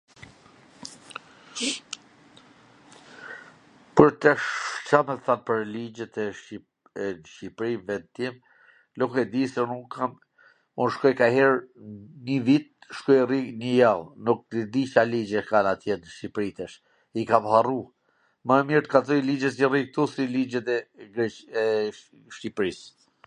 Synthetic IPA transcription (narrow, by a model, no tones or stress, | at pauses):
pəɾt̪ɛʃsamɛθanpəɾlid͡ʒɛt̪ɛ | ɛnʃipɾimvɛnt̪im | lukɛd̪isɛnukːam | unʃkɔjkaɦɛɾnivit̪̚ʃkɔjriɡnəjalnuk̚dəd̪it͡ʃalid͡ʒɛkanat̪jɛnʃipɾit̪ɛʃ | ikamharu | məɛmiɾt̪ə̥kaθɔjlid͡ʒɛs̬irik̚t̪usilid͡ʒɛt̪ɛɡɛ | ʃipɾis